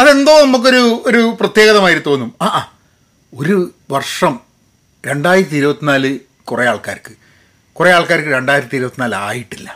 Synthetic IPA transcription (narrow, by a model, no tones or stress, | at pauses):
ɐðe̞nd̪oːnɐmuk̬ːo̞ɾuoɾuprɐt̪je̞ːɣɐðɐmaːjiɾut̪ːuʋenːumaːʔaː | o̞ɾu | ʋɐrʂɐm | ɾe̞ɳɖaːjiɾt̪ʲːiɾubɐt̪ːinaːlɨ | kurejaːɭkaːɾkːɨ̥ | kurejaːɭkaːɾkːɨɾe̞ɳɖaːjɾɐt̪ʲiiɾubɐt̪ːinaːla̰ːjiʈːilːɐ